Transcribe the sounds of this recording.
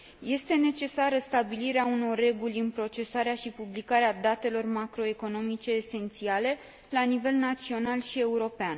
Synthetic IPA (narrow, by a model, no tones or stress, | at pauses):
je̞st̪e̞ne̞t͡ʃe̞saɾəst̪abiliɾeauno̞rːe̞ɡulʲɨnpɾo̞t͡ʃe̞saɾeaʃipublikaɾead̪at̪e̞lo̞rmakɾo̞e̞ko̞no̞mit͡ʃe̞ːse̞nt̪siale̞ | lanive̞lnat̪sio̞nalʃie̞uɾo̞pean